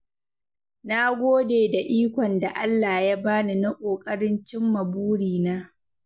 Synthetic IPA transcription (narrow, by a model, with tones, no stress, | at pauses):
na˦ɡʷoː˦deː˨da˨ʔiː˦kʷɔ˨nda˨ʔa˦lːaː˨ja˦baː˦ni˨na˦kʷʼoː˨kʼɐ˦ɽɪ˦nt͡ʃɪ˦mːɐ˨buː˦ɽiː˨naː˦